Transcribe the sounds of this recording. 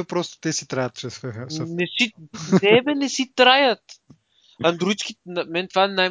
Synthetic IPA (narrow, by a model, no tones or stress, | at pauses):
ɛpɾɔst̪o̥t̪ɛsit̪ɾajət̪̚ʃɾɛsvɛxənɛsinɛvɛnɛsit̪ɾajət̪ | ɐnd̪ɾuit̪skʲinɐmɛnt̪vaɛnaj